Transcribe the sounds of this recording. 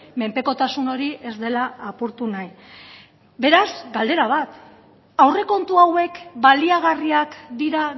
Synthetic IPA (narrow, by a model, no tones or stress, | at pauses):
me̞mpe̞ko̞t̪asuno̞ɾiʔe̞zd̪e̞laːpuɾt̪unaj | be̞ɾazɡald̪e̞ɾaβ̞at̪ | awre̞ko̞nt̪uawe̞kbaliaɣ̞ariakd̪iɾa